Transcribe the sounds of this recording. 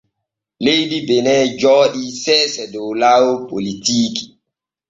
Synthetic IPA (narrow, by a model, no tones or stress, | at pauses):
lejdibenɛd͡ʒɔːɗisɛsɛdolawpolitiːki̥